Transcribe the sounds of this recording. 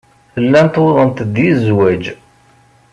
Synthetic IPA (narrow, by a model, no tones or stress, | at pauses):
θəlːænt̪wðˤənt̪d̪jizwæd͡ʒ